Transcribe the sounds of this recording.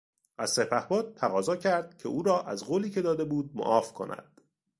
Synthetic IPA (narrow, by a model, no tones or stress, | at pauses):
ʔæz̥sepʰæhbɒːd̪̚t̪ʰːæɣɒːzɒːcʰæɾd̪̥̚cʰe̞uːɾɒːʔæzɢoːliːcʰe̞d̪ɒːd̪e̞buːd̪̚mo̰ʔɒːfkʰo̞̰næ̰d̪̥